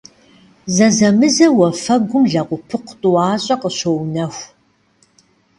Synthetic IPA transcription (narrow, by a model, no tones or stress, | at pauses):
zɐzɐmɨzɐwɐfɐɡʷʊmɮɐʁʷʊpʰɨqʷtʼʊwɑːɕʼɐqəɕownɐxʷ